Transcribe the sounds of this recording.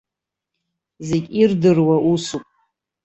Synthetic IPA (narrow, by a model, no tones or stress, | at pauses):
zeɡʲʼirdɨrwaʔusupʼ